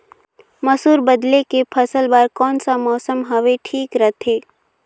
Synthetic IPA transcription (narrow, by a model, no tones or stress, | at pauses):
mɐsuːɾbəd̪lekepʰəsəlbaːɾkɔːnsamɔːsəmɦɐʋeʈʰiːkɾɐt̪ʰeː